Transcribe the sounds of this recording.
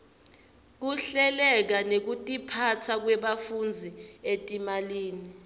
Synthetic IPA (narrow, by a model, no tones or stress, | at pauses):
k̬uɬɛlɛk̬anek̬utʼipʰatʰak̬wɛɓafund͡zʱietʼimaliːni